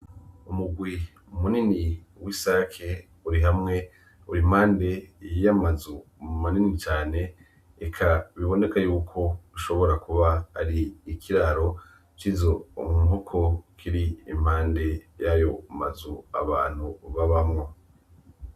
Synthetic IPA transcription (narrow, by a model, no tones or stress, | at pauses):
umuɡwi | umunini | wisakʰe̞ | uɾiɦamŋe̞ | uɾim̥haːnde̞jamazumumaninit͡ʃaːne̞ː | kʰaβiβo̞ne̞kajuːkʰo̞uʃo̞βo̞ɾakuβaaɾiːkʰiɾaɾo̞ | t͡ʃiːzo̞mumɦokʰo̞kʰiɾiim̥haːnde̞jajo̞ma̰zua̰βa̰ːn̥huβaβamŋo̞